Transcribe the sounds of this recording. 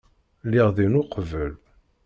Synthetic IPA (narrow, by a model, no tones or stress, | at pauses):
lːiʁðinʊqvəl